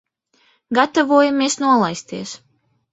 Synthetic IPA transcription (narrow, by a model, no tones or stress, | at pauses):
ɡat̪avuɔjamiɛsnuɔlˠajst̪iɛs